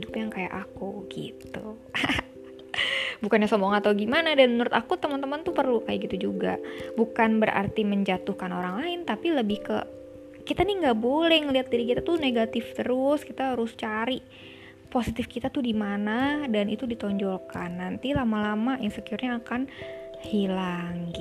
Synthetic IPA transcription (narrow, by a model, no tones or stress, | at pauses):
dupjaŋkaja̰ʔakuɡḭt̪u | bukanɲasɔmbɔŋat̪awɡimanadanmənuɾʊt̪akut̪əmənt̪əmənt̪upərlukajaʔɡit̪ud͡ʒuɡa̰bukanbəɾʔa̰rt̪iməɲd͡ʒat̪uhkanoɾaŋlaɪnt̪apiləbɪhkə̰ | kit̪aniŋɡaʔbolɛhŋəliat̪̚diɾikit̪at̪uneɡat̪ɪft̪əɾʊskit̪aɦaɾʊst͡ʃaɾi | posit̪ɪfkit̪at̪udimanadanit̪udit̪ɔɲd͡ʒolkanːant̪ilamalamajaŋsəkiurɲaːkanhilaŋɡi